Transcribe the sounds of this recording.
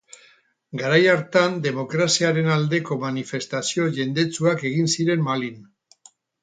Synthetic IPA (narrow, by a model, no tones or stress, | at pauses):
ɡaɾajaɾt̪and̪e̞mo̞kɾasiaɾe̞nald̪e̞ko̞manife̞st̪asio̞ʝe̞nd̪e̞t͡suake̞ɣ̞insiɾe̞mmalin